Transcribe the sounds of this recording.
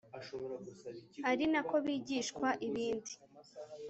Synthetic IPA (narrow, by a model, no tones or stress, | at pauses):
aɾinako̞βiːɟiːʃkwaʔiβiːndi